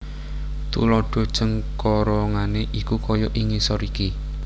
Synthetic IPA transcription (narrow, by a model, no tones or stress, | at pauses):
t̪ṵlɔɖ̥ɔ̤d̥ʒ̥əŋkɔɾɔŋaneʔikukɔjɔʔiŋisɔɾiki